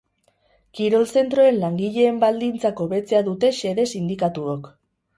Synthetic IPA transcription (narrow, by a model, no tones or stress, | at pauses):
kiɾo̞lse̞nt̪ɾo̞e̞nlaŋɡiʎe̞ːmbald̪int͡sako̞βe̞t͡se̞aðut̪e̞ʃe̞ðe̞sind̪ikat̪uok